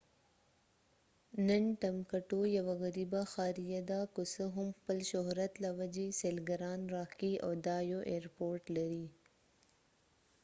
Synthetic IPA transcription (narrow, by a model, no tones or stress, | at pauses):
nənʈamkaʈojawaɣaɾibaxɑːɾijad̪akosəɦʊmxpəlʃʊɦɾat̪lawad͡ʒeselɡaɾɑnɾɑkiad̪ɑjoʔeɾpoɾʈlaɾi